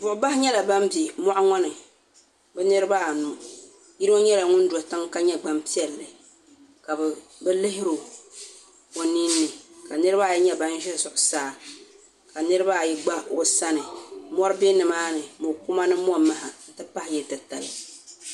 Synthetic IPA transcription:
bʊ˨ʔʊ˨ba˦hɪ˦ɲɛ˦la˨ba˦mbi˨mɔ˦ʔŋɔ˦nɨ˨ | bɛ˦nɨ˦ɾɨ˦ba˦˨nu˨ | ji˦ɾɨ˦o˦ɲɛ˦la˨ŋʊ˦n̩˦dɔ˨ta˦ŋka˦ɲɛ˦ɡ͡ba˦mpi˦ɛ˨lːɨ˨ | ka˨b | bɛ˦lɪ˦ɦɪ˦ɾʊ˨ | o˨ni˦nːɨ˨ka˨nɨ˦ɾɨ˦ba˦˨ji˦ɲɛ˦ba˦n˦ʒɛ˦sʊ˨ʔʊ˨saː˦˨ | ka˨nɨ˦ɾɨ˦ba˦˨ji˦ɡ͡ba˦o˨sa˦nɨ˨mɔ˦ɾɨ˦be˦nɨ˨maː˦nɨ˨mo˨ku˦ma˦nɨ˦m˦ɔ˦ma˦ha˨n̩˨tɨ˦pa˦hɪ˨jɛ˨tɨ˨ta˨lɨ˨

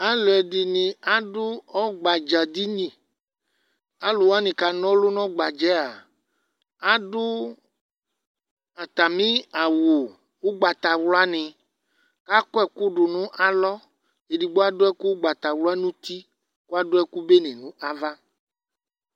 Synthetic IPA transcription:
a˦lɔ˨ɛ˨di˨nĩ˨a˦ɖʊ˦ɔ˦ɡ͡ba˨d͡ʒa˨d̪i˦ɲĩ˨ | a˦lo˨wa˦nĩ˨ka˨nɔ̃˦lu˦nɔ̃˦ɡ͡ba˨d͡ʒɛ˨˦a˨ | a˦ɖʊ˦ | a˨t̪a˨mĩ˦a˨wu˨ | wo˦ɡ͡ba˨t̪a˨wlɔ˦a˦nĩ˨ | ka˦kɔ˦ɛ˦˨ku˦ɖʊ˨nũ˦ʔa˨lɔ˦ | e˨di˨ɡ͡bo˦a˦dʊ˦ɛ˦ku˦ɡ͡ba˨t̪a˨wlɔ˦a˦nũ˦t̪i˦ | ku˦a˦dʊ˦ɛ˦ku˦be˦nĩ˨nũ˦ʔa˦va˦

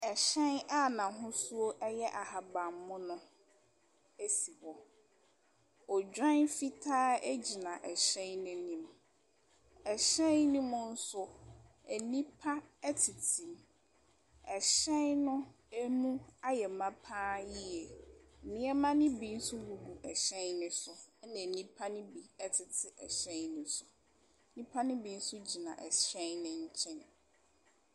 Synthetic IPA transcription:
ɛ˨ɕɛ̃˦na˦˨nã˨ɦʊ̃˦su˦o˦ʔɛ˦jɛ˦ʔa˨ha˨ba˨mːʊ̃˦nʊ̃˦ | æ˦si˨hɔ˨ | ɔ˨d͡ʑᶣɾã˦nfi˦tʰaː˦æ˦d͡ʑi˨nã˨ʔɛ˨ɕɛ̃˦nnʊ̃˨nĩ˨m | ɛ˨ɕɛ̃˦nnĩ˦mʊ̃˦n̩˦sʊ˦ | æ˨nĩ˦pʰa˦æ˦tʰi˨tʰĩ˨m | ɛ˨ɕɛ˦nʊ̃˦ | æ˦nũ˦a˦jɛ˨mã˦pʰãː˦ji˦ɛ˨nɪ̃˦ɛ˦mã˦nɪ̃˦bi˦n̩˦sʊ˦wu˨bu˨ʔɛ˨ɕɛ̃˦nnɪ̃˦sʊ˨˦nã˨nĩ˦pʰa˦nɪ̃˦bi˨ɛ˦tʰɪ˨tʰɪ˦ʔɛ˨ɕɛ̃˦nɪ̃˦sʊ˨˦ | nĩ˦pʰa˦nɪ̃˦bi˨˦n̩˦sʊ˦d͡ʑi˨nã̰˨ʔɛ̰˨ɕɛ˦nnɪ̃˦ɲ̩˦t͡ɕʰɛ̃˦n˨

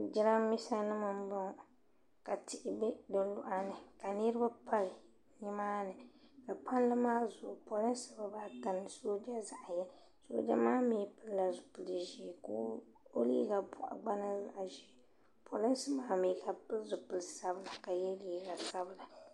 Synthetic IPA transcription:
d͡ʒɪ˦ɾa˦mmːi˦sa˦nɨ˦mɨ˨mbɨ˦ŋ˨ | ka˨tɪ˨ʔɪ˨bɪ˦do˨lʊ˦ʔa˦nɨ˨ka˨ni˦ɾɨ˦ba˦pʰa˦l | ɲi˦maː˦nɨ˨ka˨pa˦n˦lɨ˦maː˦zʊ˨ʔpo˨lɨ˦nsɨ˦ba˨baː˨˦ta˨nɨ˨so˦d͡ʒa˦za˨ʔjɛ˦ | so̰˦d͡ʒa̰˦maː˦mi˦pɨ˦lla˨zʊ̥˨pɨ˨lʒi˦˨ko˦ | o˦lḭː˦ɡa˨pʊ˨ʔa̰˨ɡ͡ba˦nɨ˦za̰˨ʔʒi˦˨˦ | pʰo˨lɨ˦nsɨ˦baː˦miː˨˦ka˨pɨ˦lzʊ˨pɨ˨lsa˦bɨ˨la˨ka˨jɛ˦liː˨˦ɡa˨sa˦bɨ˨la˨

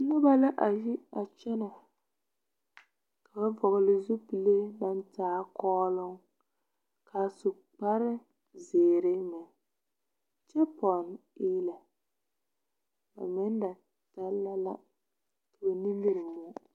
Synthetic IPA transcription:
nɔ˦ba˦la˦ʔa˨ji˦a˨t͡ʃɛ˦na˨ | ka˨ba˦bɔ˨ɣʊ˨lɪ˨zu˦pi˨le˦na˦n˦taː˦kɔː˦lʊ˦ŋ | kʰa˨sʊ˨k͡pa˦ɾɪ˦ | zeː˨ɾɪ˦mɛ˨ | t͡ʃɛ˦pɔ˨nɪː˦la˨ | ba̰˨mɛ˦n˦da˨ | taː˦a˦la̰˦ | tʊ˨ba˨ni˦lɪ˦ɾɪ˨mɔ˦

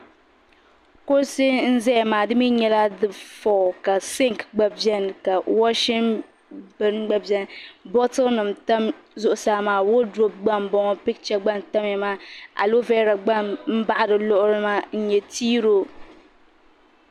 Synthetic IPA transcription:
ko˦sɪ˦n̩˦zɛ˦˨maː˨dɨ˦mi˦ɲɛ˦la˦dɨ˨fɔ˨ka˨sɪ˦ŋ˨kɡ͡ba˦bjɛ˦n˨ka˨wɔ˦ʃɪ˦m | bɨ˦nɡ͡ba˦bjɛ˦nbɔ˦tɨ˦nɨ˨mta˦mzʊ˦ʔʊ˨saː˦maː˨wo˦do˦b̚ɡ͡ba˦mbɔ˦ŋɔ˦pɪ˦kt͡ʃa˦ɡ͡ba˦nta˦mjɛ˨maː˦a̰˨lo˦vɛ˦ɾa˨ɡ͡ba˦˨mm̩˦ba˦ʔa˦dɨ˨lʊ˦ʔʊ˦ɾɨ˦ma˦n̩˦ɲɛ˨tiː˦ɾo˦

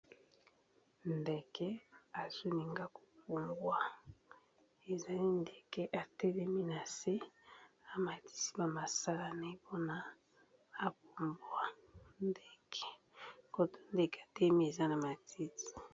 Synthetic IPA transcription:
nde˨kɛ˦a˨z̥o˦li˨ŋɡa˦ko̥˨p̚u˨mbwa˦ | e˨za˨li˦nde˨kɛ˦ʔa˨tɛ˦lɛ˦mi˦na˨se˦a˨ma˨ti̥˦si̥˦ba˨ma˨sa˦la˦na˨e˦po˦na˦ | a˨p̚u˨mbwa˨nde˦kʰɛ˨ | ko˨to˦˨nde˦kɛ˨a˨tɛ˦mi˦e˨za˦na˨ma˨tʰi˦ti̥˨

